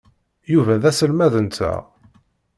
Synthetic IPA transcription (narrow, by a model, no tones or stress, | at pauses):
juvæðæsəlmæðənt͡s̪ːæ̰